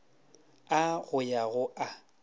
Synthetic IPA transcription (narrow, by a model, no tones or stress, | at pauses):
aɣʊjaɣʊʔa